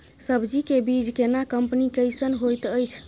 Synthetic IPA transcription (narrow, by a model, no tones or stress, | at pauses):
səbd͡ʒikebid͡ʒkenakəmpnikəjsənɦojt̪əjt͡ʃʰ